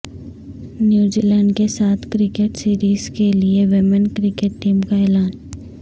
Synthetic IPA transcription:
njuːd͡ʒiːlɛ̃ːɳɖkesaːt̪ʰkɾɪkeʈsiːɾiːz̥kelieʋɪmənkɾɪkeːʈʈiːmkaeːlaːn

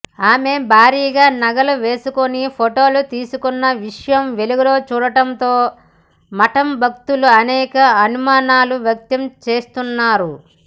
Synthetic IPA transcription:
aːme̞bʱaːɾiːɡaːnɐɡɐluʋe̞ːsukonipʰoʈo̞ːlut̪iːsukunːɐʋiʂɐjɐmʋe̞luɡɐlo̞ːt͡ʃuːɽɐʈɐnt̪o̞ː | mɐʈɐmbʱɐk̚t̪uluɐnɛːkɐɐnumaːnaːluʋjɐk̚t̪ɐmt͡ʃe̞ːst̪unːaːɾu

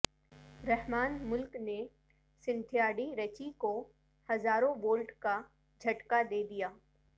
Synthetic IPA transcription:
ɾɛɦmaːnmʊlkne | sɪ̃nt̪ʰijaːɽiɾɐt͡ʃiko | hɐzaːɾõboːlʈka | d͡ʒʱɐʈkad̪eːd̪ijaː

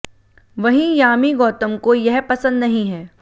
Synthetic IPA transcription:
ʋɐɦĩjaːmiɡɔːt̪əmkojɛɦpɐsə̃nd̪nɐɦĩɦɛː

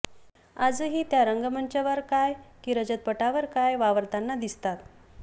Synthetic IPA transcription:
ad͡zəːɦiːt̪jaɾəŋɡəməɳt͡ɕəʋəɾkajkiɾəd͡ʑət̪̚pəʈaʋəɾkajʋaʋəɾt̪anːad̪ist̪at̪

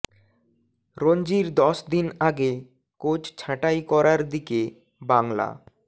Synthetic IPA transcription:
ɾond͡ʑiɾd̪ɔʃd̪inaɡe | kot͡ɕt͡ɕʰãʈajkɔɾaɾd̪ike | baŋla̰

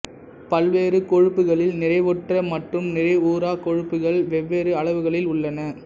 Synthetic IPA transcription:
pɐlʋeːɾɯkɔɻɯpːɯɣɐɭɪlnɪrɐɪʋɔʈrɐmɐʈrɯmnɪrɐɪuːɾaːkɔɻɯpːɯɣɐɭʋɛʋːeːɾɯɐɭɐʋɯɣɐɭɪlʊɭːɐnɐ

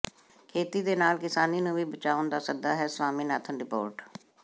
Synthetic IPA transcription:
kʰeːt̪iːd̪eːnaːlkɪsaːniːnũːʋiːbət͡ʃaːʋʊnd̪aːsəd̪aːɦɛːsʋaːmĩːnaːt̪ʰənɾɪpo̰ːɾʈ

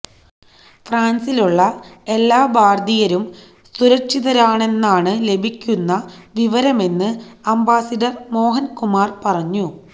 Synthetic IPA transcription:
fraːnsiluɭːɐe̞lːaːbʱaːrd̪ijɐɾum | suɾɐkɕiðɐɾaːɳe̞nːaːɳɨle̞bʱikʲːunːɐʋiʋɐɾɐme̞nːɨɐmbaːsɐɖɐrmo̞ːɦɐnkumaːrpɐrɐɲːu

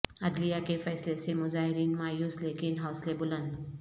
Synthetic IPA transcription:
ɐdlijakefɛːslesemʊzaːɦɪɾiːnmaːjuːslekɪnɦaʊslebʊlə̃nd̪

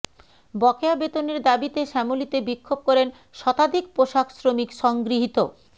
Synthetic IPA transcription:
bɔkeabet̪oneɾd̪abit̪eʃɛmolit̪ebikʰːob̚kɔɾen | ʃɔt̪ad̪ʱikpɾoʃaksɾomikʃɔŋɡɾiɦit̪o

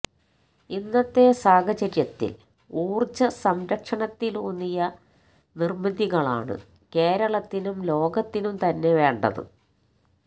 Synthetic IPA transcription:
inːɐt̪ːe̞saːɡʱɐd͡ʑɐɾjɐt̪ːḭl | uːrt͡ɕːɐsɐmɾɐkʂɐɳɐt̪ːilunːijɐ | nirmɐðiɣɐɭa̰ːɳɨ̰ | ke̞ːɾɐɭɐt̪ːinumlo̞ːɡɐt̪ːinumt̪ɐnːe̞ʋe̞ːɳɖɐ̰ðɨ̰

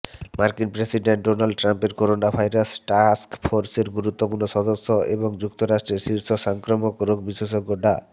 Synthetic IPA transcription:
maɾkinpɾesiɖeɳʈ̚ɖonalɖ̚ʈɾampeɾkoɾonabʱajɾasʈaskfʰoɾseɾɡuɾut̪ːopuɾnoʃɔd̪osːoeboŋd͡ʑuk̚t̪oɾaʃʈɾeɾʃiɾʃoʃɔŋkɾomokɾoɡbiʃeʃoɡːoɖʱa

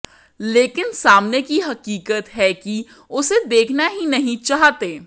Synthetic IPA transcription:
leːkɪnsaːmnekiɦɐqiːkət̪ɦɛki | ʊsed̪eːkʰnaɦinɐɦĩt͡ʃaːɦt̪eː

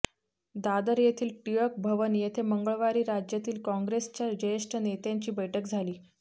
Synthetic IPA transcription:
d̪ad̪əɾjet̪ʰiːlʈijək̚bʱəʋəniːjet̪ʰeməŋɡəɭʋaɾiːɾad͡ʑjat̪iːlkɔ̃ŋɡɾest͡ɕjad͡ʑəjəʂʈʰənet̪jãɲt͡ɕiːbəjʈʰəkd͡zʱaliː

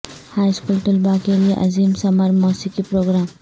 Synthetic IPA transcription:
hajskulʈulbakeliʔa̰zimsamaɾmɔsikipɾoɡɾam

